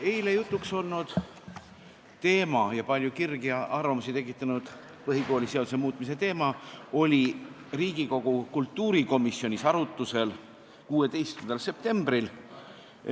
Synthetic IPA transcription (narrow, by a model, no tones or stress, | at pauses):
e̞jlejut̪ˑːukso̞lnud̪̥ | t̪e̞ːmɑjɑpɑlʲjukirɡiɑrvɑmusit̪e̞k̬ːˑit̪ːˑɑnud̪̥ | pɤɦiko̞ːlʲise̞od̪usemuːt̪ˑmis̬e̞t̪e̞ːmɑo̞lʲi | riːɡ̥iko̞ɡ̥ukult̪ːuːɾiko̞misːio̞nʲisɑɾut̪ːˑuse̞l | kuːe̞t̪e̞jst̪kynd̪ɑlse̞p̚t̪e̞mb̥ɾil